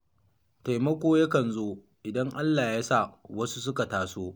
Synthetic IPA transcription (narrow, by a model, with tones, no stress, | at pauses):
ta˨jmɐ˦kʷoː˦ja˦kɐ˨nzoː˦ | ʔɪ˨dɐ˦ŋʔa˦lːaː˨jaː˦sa˦˨wɐ˦su˦s̬ʊ˦ka˨taː˨soː˦